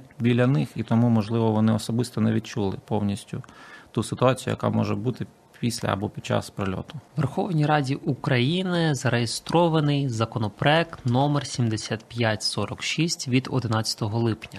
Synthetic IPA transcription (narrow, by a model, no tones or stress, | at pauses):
bʲilʲːɐnɪxit̪ɔmumɔʒlˠɪʋɔʋɔnɪɔsɔbɪst̪ɔnɛʋʲid̪̚t͡ʃulˠɪ̰pɔwnʲisʲtʲʊt̪usɪt̪ʊɑt͡sʲijʊjɐ̰kɑ̰mɔʒɛbut̪ɪ | pʲisʲlʲɐ̰ɐ̰bɔpʲid̪t͡ʃa̰spɾelʲɔ̰t̪ʊʋerxɔwnʲijɾɑdʲiʔukɾɐjinɪzɐɾejest̪ɾɔʋɐnɪjzɐkɔnɔpɾɔɛk̚t̪nɔmersʲimd̪esʲat̪pʲjatʲsɔɾɔkʃisʲtʲʋʲid̪ɔ̰d̪ɪnɑt͡sʲɐ̥t̪ɔɦɔlˠɪpnʲɐ